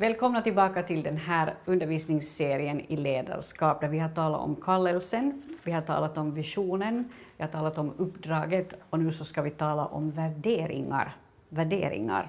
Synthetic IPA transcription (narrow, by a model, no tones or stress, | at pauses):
vɛːlkʰɔmnat̪ɪlbɑːkat̪ʰɪld̪ɛnhæːɾɵnd̪əɾviːsnɪŋsːeːɾɪənɪleːd̪a̰ɾʂkɑːp̚d̪æɾvɪhaʈɑːla̰ʔɔ̰mkʰɑlːɛlsənʋɪhaʈʰɑ̰ːlat̪ɔmvɪʂuːnənvɪhaʈʰɑːlat̪ɔmɵpːd̪ɾɑːɡət̪ɔnʉ̟ːsɔskɑʋɪt̪ʰɑːla̰ʔɔ̰mvæɖeːɾɪ̰ŋa̰ɾ | væɖḛːɾɪ̰ŋa̰ɾ